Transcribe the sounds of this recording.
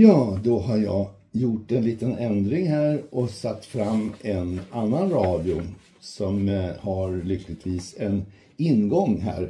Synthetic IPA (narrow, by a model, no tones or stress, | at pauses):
jɑːd̪ɔɦaɾjɑ̰ː | jʊʈːɛnliːt̪ənɛnd̪ɾɪŋɦæːɾʔɔsat̪ːfɾamːʔɛnanːanɾɑːd̪ɪʊ | sɔmhaɾɭʏklɪt̪viːsɛn | ɪnːɡɔŋːɦæ̰ːɾ